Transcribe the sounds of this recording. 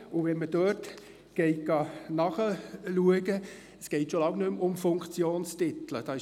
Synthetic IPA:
ʊʋɛnməd̥øːt | ɡ̥ɛɪt̚ɡ̥ɑnɑχəluəɡə | əsɡ̥ɛɪtʃolɑŋnʏmʊmfʊŋkt͡sjoːnstɪt̪ləd̥ɑːɪ

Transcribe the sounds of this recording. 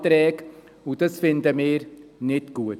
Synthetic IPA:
t̪ɾɛːk | ut̪əsfɪnt̪əmeːɾnɪt̪ɡuːət̪

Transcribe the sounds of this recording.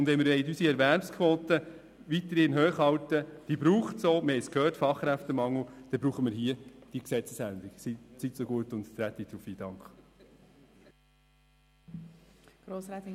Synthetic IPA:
ʊndʋɛnmɪɾʋɛɪtysiɛɾʋæɾpskʰvoːt̪ə | ʋit̪əɾinɦøːχhɑwtəd̥ibɾuːχtsoːmɪɾhɛɪskʰhøːrtfɑχkɾæft̪əmɑŋːl̩d̥ɛb̥ɾuːχəmɪɾɦiəd̥iksɛt͡səsænd̪iksisitsoɡuətʊnttɾæt̪it̪ɾufiːd̥ɑŋkχ | ɡ̥ɾoːsɛ

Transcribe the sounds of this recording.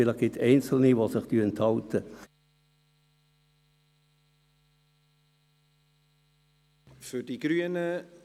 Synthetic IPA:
ɪləχɡ̥ɪtɛɪnsl̩niʋosɪχtyənthɑltə | fyrdiɡɾyənə

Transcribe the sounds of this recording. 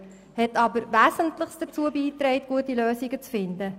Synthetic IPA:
hɛtɑbəɾvæːsəntlɪχsd̥ət͡suːəbiːtreɪtɡ̥uətiløːsiɡət͡sfɪndə

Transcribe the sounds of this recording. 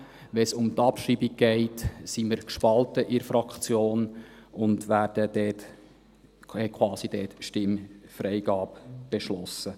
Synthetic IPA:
ʋɛsʊmt̪ɑpʃɾiːbiɡ̚ɡ̥ɛɪtsiməɾkʃpɑltəʔɪɾfɾɑkt͡sjoːnʊndʋæːɾd̥ədɛːt | hɛkʰwɑːsid̥ɛːtʃtɪmfɾɛɪɡɑːpb̥eʃlɔsːə

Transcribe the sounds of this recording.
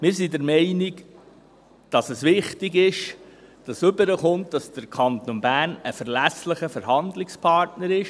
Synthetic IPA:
mɪːɾsidɛɾmɛɪniɡ | d̥ɑsəsʋɪχtiɡɪʃd̥ɑsɵbəɾəχʊnt̚dɑsd̥əɾkʰχɑnt̪onbæːnəfəɾlæsləχəfəɾɦɑnd̪lɪkspʰɑɾtnəɾɪʃ

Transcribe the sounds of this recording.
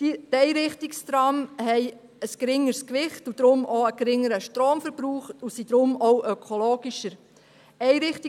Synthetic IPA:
dɛjɾɪχtɪkst̪ɾɑmhɛɪ | əsɡ̥ɾɪŋːəɾskʋɪχtud̪̥ɾʊmʔoəɡ̥ɾɪŋəɾəʃtɾoːmfəɾb̥ɾuːχtusid̥̪ɾʊmɔʊʔœkʰoloːɡiʃəɾ | ɛɪɾɪχt

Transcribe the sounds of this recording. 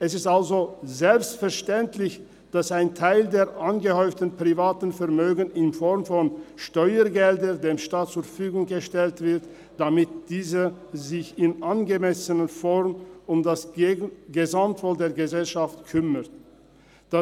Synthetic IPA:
ʔɛsɪstalzozɛlpstfɛɐʃtɛntlɪç | d̥asaɪntʰaɪldeːɐʔanɡəhɔʏftn̩pʁ̥ivaːtn̩fɛɐmøːɡən̩ɪnfɔʁmfɔnʃtɔʏəɡɛldədeːmʃtaːt̚t͡suːɐfyːɡʊŋɡəʃtɛltv̥ɪʁt | d̥amɪtd̥iːzəzɪçɪnʔanɡəmɛsənəfɔʁmʊmd̥asɡəzamtv̥oːldeːɐɡəzɛlʃaftkʰʏmət | d̥a

